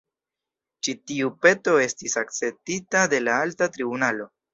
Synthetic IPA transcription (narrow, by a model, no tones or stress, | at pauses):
t͡ʃitiupe̞to̞e̞stisak̚t͡se̞p̚titade̞laaltatɾibunalo̞